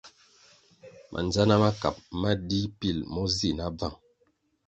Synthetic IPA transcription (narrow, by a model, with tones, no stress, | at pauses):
mʔa̰˨nd͡ʒa˦na˦ma˦ka˨p̚ma˦di˦pi˦˨lmɔ˦zi˦˨na˦b͡va˦˨ŋ